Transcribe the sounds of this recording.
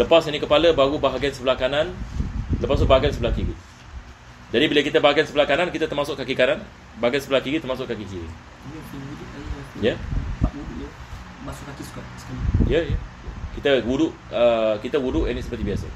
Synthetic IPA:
ləpasanikəpaləbaɣubaɦaɡiansəbəlakananləpast̪ubaɦaɡansəbəlahkiɾi | d͡ʒadibiləkit̪abaɦaɡiansəbəlakanankit̪at̪ərmasʊʔkakikanan | baɦaɡansəbəlahkiɾit̪ərmasʊʔkakikiɾḭŋ | mikinuduajat̪ijəawuduʔjə | masʊkːakisu̥kaskajəjəjkit̪awudʊʔ | əkit̪əwudʊʔɛnisəpərt̪ibiasə̰

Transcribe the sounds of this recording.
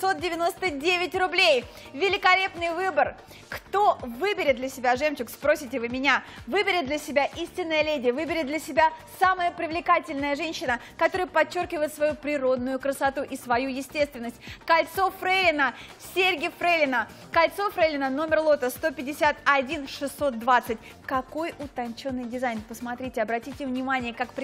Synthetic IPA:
sot̪̚dʲɪvʲɪno̞st̪ədʲevʲɪtʲrʊblʲej | vʲɪlʲɪkɐlʲe̞pnɨjvɨbər | kt̪o̞vɨbʲɪɾʲɪt̪̚d̪lʲəsʲɪbʲaʐɛmt͡ɕɪkspɾo̞sʲɪtʲɪvɨmʲɪnʲavɨbʲɪɾʲɪt̪̚d̪lʲəsʲɪbʲaʔisʲtʲɪnːəjəlʲedʲɪvɨbʲɪɾʲɪt̪d̪lʲəsʲɪbʲasaməjəpɾʲɪvlʲɪkatʲɪlʲnəjəʐɛnʲɕɪnəkɐt̪o̞ɾəjəpɐt͡ɕːo̞rkʲɪvəjɪt̪svɐjupɾʲɪɾo̞d̪nʊjʊkɾəsɐt̪uʔɪsvɐjujɪsʲtʲest̪vʲɪnːəsʲtʲkɐlʲt̪so̞fɾelʲɪnə | sʲerʲɡʲɪjfɾelʲɪnə | kɐlʲt̪so̞fɾelʲɪnəno̞mʲɪrlˠo̞t̪əst̪o̞pʲɪdʲɪsʲat̪ɐdʲinʂɨsːo̞t̪̚d̪vat̪sɨtʲ | kɐko̞jʊt̪ɐnʲt͡ɕo̞nːɨjdʲɪzajnpəsmɐt̪ɾʲitʲɪɐbɾɐtʲitʲɪvnʲɪmanʲɪjəkakpɾʲ

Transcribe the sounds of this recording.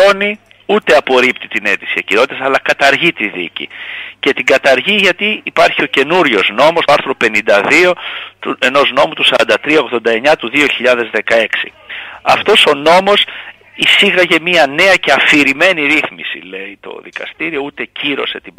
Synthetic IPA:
oni | ut̪e̞ɐpo̞ɾipt̪it̪ine̞t̪i̥siɐciɾo̞t̪it̪ɐsɐlɐkɐt̪ɐɾʝit̪iðḭcḭce̞t̪iɡɐt̪ɐɾʝiʝɐt̪iːpɐɾçio̞ce̞nuɾʝo̞zno̞mostoɐɾθɾo̞pe̞nind̪ɐðio̞t̪ue̞no̞zno̞mut̪usɐɾɐ̰nd̪ɐt̪ɾiɐo̞ɣðo̞nd̪ɐe̞ɲɐt̪uðio̞çiʎɐðe̞zðe̞kɐe̞ksḭ | ɐ̰ft̪o̞so̞no̞mo̞s | isiɣɐʝe̞miɐne̞ɐce̞ɐfiɾime̞niɾiθmḭsḭle̞it̪o̞̰ðikɐ̰st̪iɾio̞ut̪e̞ciɾo̞̰se̞t̪ib

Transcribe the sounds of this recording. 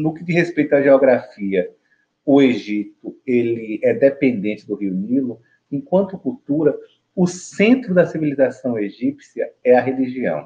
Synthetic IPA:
nʊkɪd̪izhespejt̪ʊɐʒeɔɡɾafiɐ | ʊeʒit̪ʊelɪɛd̪epẽnd̪ẽt͡ʃɪd̪ʊɦiʊnilʊ | ẽkwɐ̃nt̪ʊkuwt̪uɾɐ | ʊsẽt̪ɾʊd̪ɐsivilizasɐ̃w̃eʒipsiɐɛɐɦeliʒiɐ̰̃w̃

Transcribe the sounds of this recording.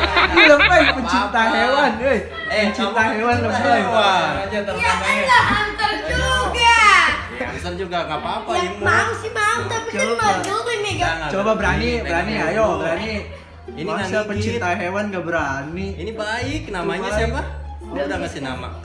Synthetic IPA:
ləmpajpəɲt͡ʃint̪aɦewanə | əɲt͡ʃint̪aɦewankəbəɾaaad͡ʒat̪əramaaant̪ərd͡ʒuɡa | əsərd͡ʒuɡaŋapaːpaimmaŋsimat̪apit͡ʃoaad͡ʒuŋəniɡaŋt͡ʃobabəɾanibəɾaniajɔbəɾani | inmasapəɲt͡ʃint̪aɦewankabəɾaniinibaɪk̚namaɲasapa | bdaŋasina̰ma̰

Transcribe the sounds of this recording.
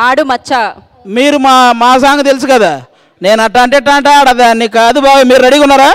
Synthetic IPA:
aːɽumɐt͡ʃːa | miːɾɯmaːmaːs̬aːŋɡɐt̪ɛlɪsɯkɐðaː | neːnɐʈːaːɳʈeʈːaːɳʈaːɽaðaːniːkːaɐðɯbaːʋɐmiːɾɾɐɽɪkːʊnːaːɾaː

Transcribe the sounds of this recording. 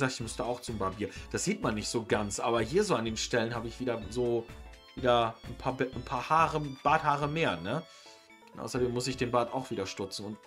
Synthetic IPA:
zaːktɪçmʏstəaʊxt͡sʊmbabiːɐd̥asz̥iːtmanːɪçtz̥oːɡant͡sʔaːbɐhiːɐzoːandeːmʃtɛlənhaːbəɪçv̥iːdɐzoːviːdɐnpʰaːbnpʰaːɐhaːʁəb̥aːthaːʁəmeːɐnə | nʔa̰ʊsɐdeːmːʊsɪçd̥eːnbaːta̰ʊxv̥iːdɐʃtʊt͡sn̩ʊnt

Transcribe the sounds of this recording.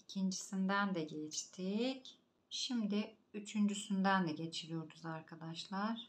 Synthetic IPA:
icʰind͡ʒisind̪ænd̪ɛɟet͡ʃt̪ʰic | ʃimd̪ɪ | yt͡ʃʰynd͡ʒysynd̪ænd̪ɛɟe̞t͡ʃʰiɾijo̞ɾd̪uzaɾkʰad̪aʃlˠaɾ̥

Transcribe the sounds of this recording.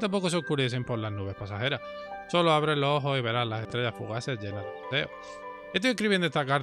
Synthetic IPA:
t̪ampo̞koseokuɾes̬e̞mpo̞ɾlannuβ̞e̞hpasaxe̞ɾah | so̞loaβ̞ɾelosoɦo̞siβe̞ɾazlase̞st̪ɾe̞ʝafṵɣ̞asezʝe̞naðeot̪e̞̰o̰ | et̪iekɾiβend̪est̪akaɾ

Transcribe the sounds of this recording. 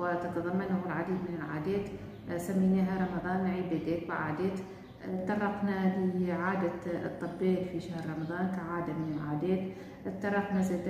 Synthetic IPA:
wɪt̪ɑt̪ɑðˤɑmːanhɪlʕad̪iːd̪mɪnɪlʕa̰ːd̪eːt̪ | samːiːneːɦaɾˤɑmɑðˤɑːnːʕiːbeːd̪eːkwɪʕa̰ːd̪eːt̪ | t̪ːɑrˤːɑqnalɪʕaːd̪a̰t̪ˤːɨbːeːʔfiʃahɾɾˤɑmɑðˤɑːnkaʕaːd̪amɪnɪlʕaːd̪eːt̪ | tt̪ːɑrˤːɑqnazeːd̪

